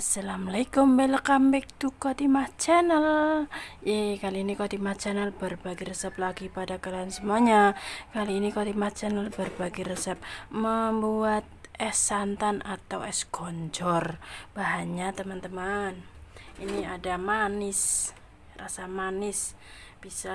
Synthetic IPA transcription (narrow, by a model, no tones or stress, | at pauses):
salamlaikɔmbɛlkambɛk̚t̪ukot̪imat͡ʃɛnəl | jɛkaliːnikot̪imat͡ʃɛnəlbərbaɡirəsəp̚laɡipadakalaansəmuaɲakaliːnikot̪imat͡ʃɛnəlbərbaɡiɾəsəp̚məmbuat̪̚ɛsant̪anat̪awɛsɡɔɲd͡ʒɔrb̥aɦaɲat̪əmant̪əmaniniadamanɪs | rasamanɪsb̥isa